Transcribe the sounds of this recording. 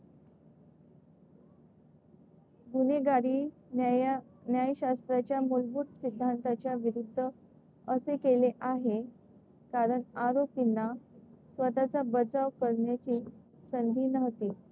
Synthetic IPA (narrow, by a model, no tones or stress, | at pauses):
ɡuneɡaɾiː | njajɕast̪ɾat͡ɕjamulbuːt̪sid̪ʱːant̪at͡ɕjaʋiɾud̪ʱːə | əsekeleʔaɦe | kaɾəɳaɾopinːasʋət̪at͡sabəd͡zaʋkəɽɳjat͡ɕiː | sənd̪ʱiːnəɦt̪iː